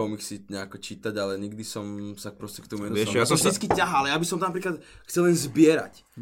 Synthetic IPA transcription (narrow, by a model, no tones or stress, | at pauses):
ɔmixsiɲɛakɔt͡ʃiːt̪aɟalɛɲiɡd̪isɔmsak̚pɾɔscɛkt̪umɛnuɛjasɔ̃mʒd̪it͡skicaɦaalɛjabisɔmt̪ɔnap̬ɾiːklat̪ | xt͡sɛlɛnzbɪɛɾa̰c